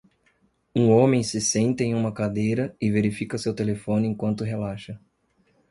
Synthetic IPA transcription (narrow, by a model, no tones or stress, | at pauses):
ũõmẽj̃sɪsẽnt̪ẽj̃ũmɐkad̪ejɾɐɪveɾifikɐsewt̪elefõnɪẽŋkwɐ̃nt̪ʊɦelaʃɐ